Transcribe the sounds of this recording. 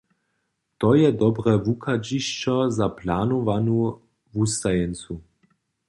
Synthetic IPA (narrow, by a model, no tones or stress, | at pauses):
t̪ɔjɛd̪ɔbʁɛvukʰad͡ʒiʃt͡ʃɔzaplaːnɔvanu | vust̪ajɛnt͡su